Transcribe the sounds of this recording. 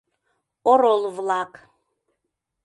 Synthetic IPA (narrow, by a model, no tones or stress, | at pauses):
ɔɾɔlvlakʰʼ